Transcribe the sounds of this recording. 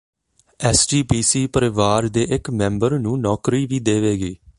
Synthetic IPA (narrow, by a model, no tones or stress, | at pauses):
ɛːsd͡ʒiːbiːsiːpəɾɪʋaːɾd̪eːʔɪkmɛ̃ːmbəɾnũːnɔːkɾiːʋiːd̪eːʋeːɡiː